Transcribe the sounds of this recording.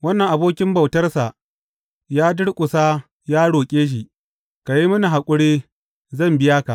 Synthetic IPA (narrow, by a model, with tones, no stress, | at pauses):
wɐ˦nːɐ˨ŋʔa˨boː˦kʲɪ˦mbɐ˨wtɐ˦rsa˨ʔ | jaː˦dʊ˦ɽkʷʼʊ˨saː˦ | jaː˦ɽoː˨kʲʼeː˦ʃ̬i˨ | ka˨ji˦mʊ˦ni˨ɦa˨kʷʼʊ˦ɽeː˦ | zɐ˦˨mbɪ˦jaː˦ka˨ʔ